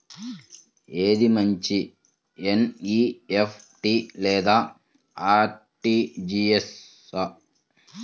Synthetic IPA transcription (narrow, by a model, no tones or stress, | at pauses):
eːd̪imɐɲt͡ʃi | eniːepʰʈilɛːd̪aː | aːʈiːd͡ʒies | ɐ